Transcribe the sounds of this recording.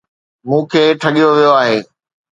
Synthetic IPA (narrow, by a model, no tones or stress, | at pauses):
mũːkʰeːʈʰɐɠijoʋijoaːɦeː